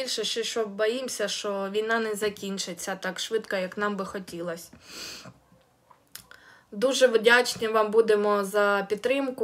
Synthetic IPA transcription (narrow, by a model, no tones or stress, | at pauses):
ilʲʃɛʃt͡ʃɛʃt͡ʃɔbɔjimsʲɐʃt͡ʃɔʋʲijnɑnɛzɐkʲinʲt͡ʃɪt͡sʲːɐt̪ɑkʃʋɪt̪kɐjɐknɑmbɪxɔtʲilˠɐsʲ | d̪uʒɛʋdʲat͡ʃnʲɪʋɑmbud̪emɔzɐpʲid̪t̪ːɾɪmkʊ